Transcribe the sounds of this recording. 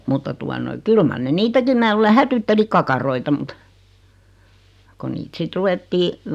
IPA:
mutːɑ tuɑ noi kyl mɑr ne niːtækim mæː luːle hætytːeli kɑkɑroitɑ mŭt ko niːt sit ruw̆etːiː

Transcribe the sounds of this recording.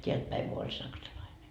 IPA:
teælt pæiŋ ɡ̊u olʲ sɑksɑlɑine

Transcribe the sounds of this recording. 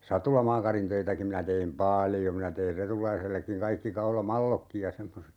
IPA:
sɑtulɑmɑːkɑrintøitæki minæ teim pɑljo minæ teir retulɑiselːekːiŋ kɑikːi kɑulɑmɑlːokːij jɑ semːoset

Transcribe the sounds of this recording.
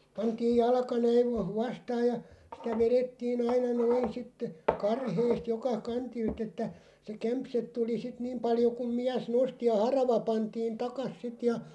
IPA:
pɑntiːj jɑlkɑ næiʋ ʋɑ ʋɑstɑːj jɑ sitæ ʋeretːiːn ɑinɑ noin sitːe kɑrheːst jokɑ kɑntilt etːæ se kæmpset tuli sit niːm pɑljo kum̆ miæs nosti jɑ hɑrɑʋɑ pɑntiːn tɑkɑs sit jɑ

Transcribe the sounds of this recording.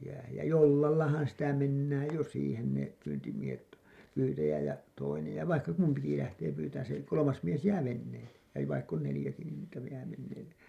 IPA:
jæhæj jɑ jolːɑlːɑhɑn sitæ menːæːj jo siːhen ne pyːntimiehet pyːtæjæ jɑ toinej jɑ ʋɑikːɑ kumpiki læhteː pyːtæːn se kolomɑs mies jæː ʋenːeːlːe jɑ ʋɑikː on nelĭjæki niːn niːtæ jæː ʋenːeːlːe

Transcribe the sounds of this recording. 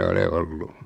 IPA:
ole olːu

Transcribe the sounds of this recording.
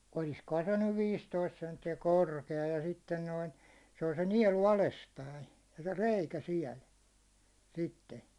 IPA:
oliskohɑn se nyʋ ʋiːstoist sentːiæ korkeɑ jɑ sitːen noin se on se niɛlu ɑlespæin se reikæ siɛl sitːe

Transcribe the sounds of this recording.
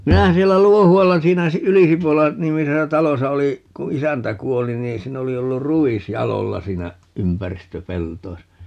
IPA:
minæhæ sielːæ luohuɑlːɑ siːnæ si ylisipolɑ nimisesæ tɑlosɑ oli ku isæntæ kuoli niː siːn oli olːur ruis jɑlolːɑ siːnæ ympæristøpeltoisɑ

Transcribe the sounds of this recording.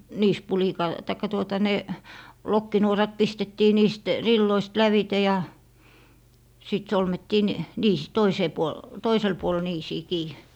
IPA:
niːspulikɑl tɑikːɑ tuotɑ ne lokːinuorɑt pistetːiː niːst rilːoist læʋite jɑ siˑt solmetːiː n niːs toiseː puol toisel puol niːsiː kiː

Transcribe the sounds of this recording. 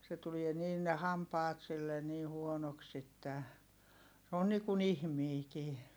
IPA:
se tulie niːn ne hɑmpɑːt silːen niː huonoks etːæ se on niːkun ihmiːkiː

